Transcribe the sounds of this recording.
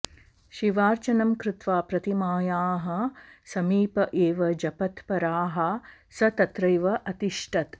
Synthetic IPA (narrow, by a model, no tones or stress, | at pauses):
ʃiʋaːɾt͡ʃɐnɐmkɾɪt̪ʋaːpɾɐt̪imaːjaːɦɐ̆sɐmiːpɐʔeːʋɐd͡ʒɐpɐt̪pɐɾaːɦɐ | sɐt̪ɐt̪ɾɐjʋɐʔɐt̪iʂʈʰɐt̪